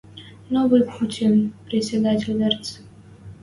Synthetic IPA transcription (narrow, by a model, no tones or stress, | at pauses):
novɨjputʲinpɾʲɪtʲsʲɪd̪atʲɪlʲd̪ɛrt̪s